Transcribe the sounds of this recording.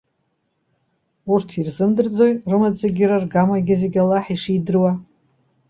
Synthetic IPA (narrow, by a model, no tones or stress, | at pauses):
urtʰirzɨmdɨrd͡zo̞jrɨmad͡zaɡʲirarɡamaɡʲɪze̞ɡʲalaħiʂidɨrwa